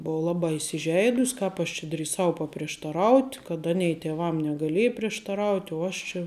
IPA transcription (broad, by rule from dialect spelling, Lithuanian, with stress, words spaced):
ˈboːʋɐ ˈlˠɑːbɑː ɪsʲɪˈʒʲɛɪdʊsʲ ˈkɑːp ɐʃ t͡ʃʲɪ dʲrʲiːˈsɐʊ pɐpʲrʲiɛʃtɐˈrɐʊtʲ kɐt ˈɑːnʲɛɪ tʲeːˈʋɐm nʲɛɡɐˈlʲeːj pʲrʲiɛʃtɐˈrɐʊtʲ ʊ ˈɐʃ t͡ʃʲɛ